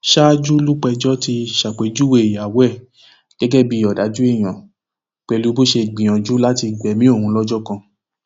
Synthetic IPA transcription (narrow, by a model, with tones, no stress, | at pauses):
ʃa˦d͡ʒu˦lu˦k͡pɛ˧d͡ʒɔ˦ti˧ʃa˨k͡pe˨˦d͡ʒu˦we˦˨a˨wɛ˦˨ | ɡ̥ɛ˨˦ɡɛ˦˨bi˧˦ɔ˨da˨˦d͡ʒu˦e˦˨j̃ã˨ | k͡pɛ˧lu˦bo˦ʃe˧ɡ͡bĩ˨ã˨d͡ʒu˨˦la˦ti˧ɡ͡bɛ˨mĩ˦o˦˨hũ˧lɔ˦d͡ʒɔ˦kã˧